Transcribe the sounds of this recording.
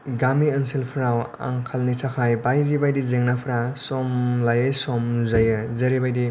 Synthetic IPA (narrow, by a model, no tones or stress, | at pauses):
ɡamiənsilpʰɾawa̰ŋkʰalnitʰakʰajbajɾibajdizeŋnapʰɾasɔmlajajsɔmzajɯzeɾibajdi